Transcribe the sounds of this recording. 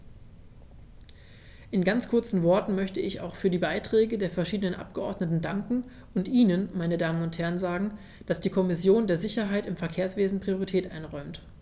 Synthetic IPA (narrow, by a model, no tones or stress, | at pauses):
ʔɪnɡant͡skʰʊɐt͡sn̩vɔɐtn̩mœçtəɪça̰ʊxfyːɐdiːbaɪtʁ̥ɛːɡədeːɐfɛɐʃiːdənənʔa̰p̚ɡ̥əʔɔɐdnətn̩daŋkŋ̩ | ʔʊntʔiːnənmaɪnədaːmənʊnthɛɐənzaːɡŋ̩ | d̥asd̥iːkʰɔmɪsjoːndeːɐzɪçɐɦaɪtɪmfɛɐkʰeːɐsv̥eːzn̩pʁ̥ioʁ̞itʰɛːtʔa̰ɪnʁɔʏmt